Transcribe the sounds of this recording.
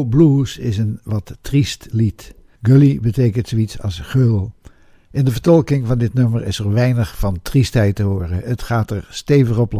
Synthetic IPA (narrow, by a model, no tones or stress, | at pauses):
blusɪsənʋɑtːristlit | ɡølibətejkəntsoitsɑ̰lˠsχølˠ | ʔɪndəvəɹtɔlˠkɪŋvɑndɪtnøməɹɪsəɹʋɛjnəχfɑntristɦɛjtəɦoːrəətχaːtəɹstejvəχɔplɔ